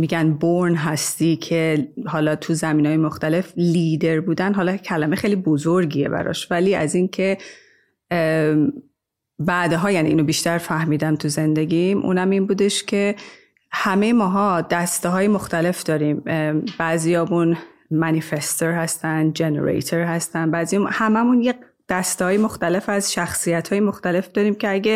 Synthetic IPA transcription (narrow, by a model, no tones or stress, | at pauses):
miːɟænboɾnɦæst̪iːcʰehɒːlɒːt̪ʰuzæmiːnɒːjemoxt̪æle̞fliːd̪e̞ɾbuːd̪ænɦɒːlɒcʰælæmexejlibozoɾɟiːe̞̰bæ̰ɾɒ̰ʃvæliːæ̰zincʰe̞ | bæːd̪eɦɒːjænḭʔiːnobiʃt̪æɾfæhmiːd̪æmt̪ʰuze̞nd̪e̞ɟimʔṵːnæminbuːd̪e̞ʃcʰe̞ | hæmejemɒːɦɒd̪̥æst̪eɦɒːjemoxt̪æle̞fd̪ɒːɾiːmb̥æzijɒːmun | mænifest̪oɾhæst̪ænd̪d͡ʒe̞nḛɾḛjt̪ʰeɾhæst̪ænbæːzijɒuhæmæmunje | d̪̥æst̪ehɒːjemo̞xt̪æle̞fæzʃæxsijæt̪hɒːjemoxt̪æle̞fd̪̥ɒːɾiːmcʰe̞æɟe